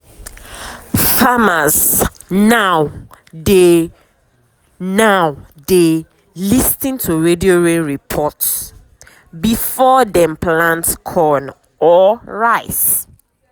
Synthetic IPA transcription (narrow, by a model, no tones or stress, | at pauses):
famaz | nawde | naw | de | listĩntʰuɹedioɹẽnɹipʰɔts | bifɔdɛ̃mpʰlãntkʰɔn | ɔɹaɪs